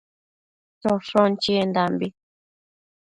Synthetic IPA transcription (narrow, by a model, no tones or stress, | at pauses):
tɔfɔ̃nt͡ʃiend̪ambi